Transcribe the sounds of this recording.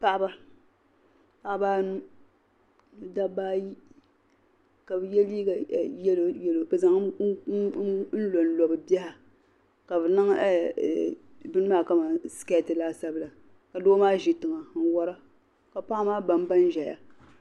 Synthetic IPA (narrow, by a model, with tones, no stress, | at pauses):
pa˦ʔa˦ba˦ | pa˨ʔbaː˦nu˦˨ | da˦baː˦ji˦ | ka˨bɨ˨jɛ˦liː˦ɡa˨jɛ˦lo˨jɛ˦lo˨bɨ˨za˨ŋ˦ | n̩˦lo˨n˦lɔ˨bɨ˨bɛ˦ha˨ | ka˨bɨ˨na˦ŋ˦ɛ˦˨ | bɨ˦nɨ˦maː˦˨ka˦ma˨ska˦˨tɨ˨laː˦sa˦bɨ˦la˨ | ka˨doː˦maː˦ʒi˨tɨ˨ŋa˨n̩˨wɔ˦ɾa˦ | ka˨pa˦maː˦ba˨m˦ba˦n˦ʒa˨ja̰˨